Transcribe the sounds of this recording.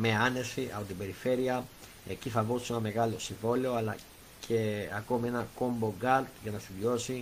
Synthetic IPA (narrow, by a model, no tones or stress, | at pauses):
me̞ɐne̞siɐ̰po̞t̪ibe̞ɾife̞ɾiɐ | e̞ciθɐvosienɐme̞ɣɐlo̞siɱvo̞leo̞ɐlɐ̰ | cʰe̞ɐko̞mienɐko̞mbo̞ɡɐɾt̪ʝɐnɐst̪iðjo̞si